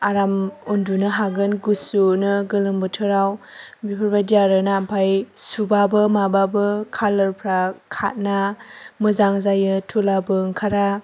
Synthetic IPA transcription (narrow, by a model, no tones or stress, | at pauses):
aɾamundunɯɦaɡɯnɡusunɯɡɯlɯmbɯtʰɯɾaw | bipʰɯɾbadijaɾɯnaːmpʰajsubabɯmababɯkʰalɯɾpʰɾakʰa̰t̚namɯzaŋzajɯtʰulabɯŋkʰaɾa